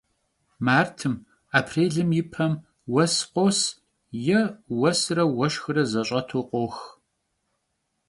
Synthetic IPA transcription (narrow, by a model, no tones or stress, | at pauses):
maːrtʰɨm | aːpʰreːɮɨmjɪpʰɐm | wɐsqʷos | jɛwɐsɨrɐwɐʃxɨrɐzɐɕʼɐtʰoqʷoːx